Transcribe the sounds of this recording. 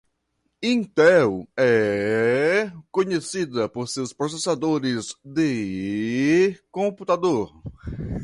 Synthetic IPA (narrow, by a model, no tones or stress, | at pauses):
ĩnt̪ɛwɛ | kõɲesid̪ɐpoɾsewspɾosesad̪oɾɪzd̪ɪ | kõput̪ad̪oɾ